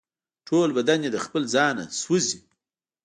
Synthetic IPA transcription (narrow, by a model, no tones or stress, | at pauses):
ʈʰolbad̪anjed̪əxpəlzɑna̰swuzi